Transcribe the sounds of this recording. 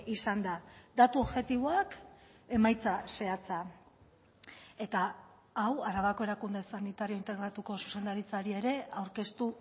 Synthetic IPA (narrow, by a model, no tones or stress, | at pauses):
isand̪ad̪at̪uo̞βʝe̞t̪iβoake̞majt͡sase̞at͡sa | e̞t̪a | awaɾaβako̞e̞ɾakund̪e̞sanit̪aɾio̞int̪e̞ɣɾat̪uko̞su̥se̞nd̪aɾit͡saɾie̞ɾe̞awɾke̞st̪u